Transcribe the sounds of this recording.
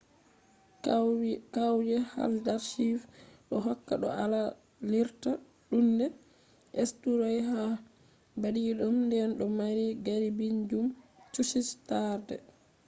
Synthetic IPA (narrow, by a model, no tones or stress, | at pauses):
kawd͡ʒɛha̰ldaɾʃifɗɔɦɔkːa̰ɗɔ̰ala | liɾta | ɗundɛ | ʔestuɾɔjɦa | badiɗumndɛnɗɔmaɾiɡaɾibiɲd͡ʒumt͡ʃuʃistaɾdɛ̰